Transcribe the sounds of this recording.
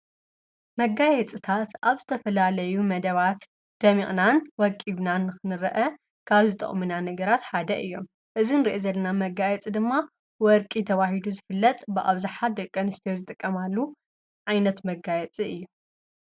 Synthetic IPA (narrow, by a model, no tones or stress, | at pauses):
mɐɡajɛt͡sʼit̪ʰat̪ʔaβzɨt̪ʰɐfɐlalɐjumɐd̪ɐβat̪ | d̪̥ɐmiχʼnanwɔkʼiβnanːɨxɨnɨɾɐʔɐ | kʰaβzɨt̪ʼɐ̰χʼmɨnanɐɡɐɾat̪ħad̪ɐʔɨjːo̞m | ʔɨzinɨɾiʔozɐlːɐnamɐɡajɛt͡sʼid̪ɨmːa | wɔɾkʼit̪ʰɐβahid̪uzɨfɨlːɐt̪ʼbɨʔa̰βzɨħat̪̚d̪ɐkʼːɐnɨst̪ʰijozɨt̪ʼɨkʼːɐmalːu | ʕajnɐt̪mɐɡajɛt͡sʼiɨjːu